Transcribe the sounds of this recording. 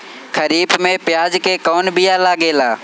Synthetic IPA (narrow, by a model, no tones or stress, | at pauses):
xɐɾiːbmẽpɪjaːd͡ʑkekɔːnbɪjaːlaːɡeːlaː